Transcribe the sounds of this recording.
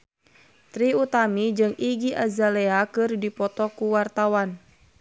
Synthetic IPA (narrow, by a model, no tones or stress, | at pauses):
t̪ɾiut̪amid͡ʒɨŋiɡiʔa̰zalɛakɨrdipɔt̪ɔkuwart̪awan